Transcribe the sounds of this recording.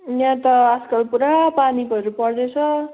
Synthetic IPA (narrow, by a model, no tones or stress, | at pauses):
njãt̪ʌaskʌlpuɾapanikʌɾupʌrd̪et͡sʰʌ